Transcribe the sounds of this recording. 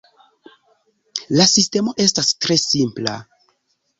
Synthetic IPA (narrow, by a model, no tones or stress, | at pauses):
lasiste̞mo̞ʔe̞stastɾe̞simpla̰